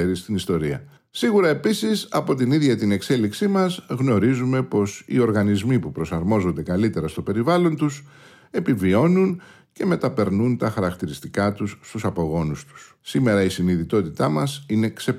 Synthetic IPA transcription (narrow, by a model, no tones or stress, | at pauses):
eɾist̪inist̪o̞ɾiɐ̰ | siɣuɾɐe̞pisisɐpo̞t̪iniðʝɐt̪ine̞kse̞liksimɐzɣno̞ɾizume̞po̞sḭo̞ɾɣɐnizmipupɾo̞sɐɾmo̞zo̞nd̪e̞kɐlit̪e̞ɾɐst̪o̞pe̞ɾivɐlo̞nt̪us | e̞pivio̞nun | ce̞me̞t̪ɐpe̞ɾnunt̪ɐxɐɾɐkt̪iɾist̪ikɐt̪usːt̪usɐpo̞ɣo̞nust̪u̥s | sime̞ɾɐisiniðit̪o̞t̪it̪ɐmɐsine̞kse̞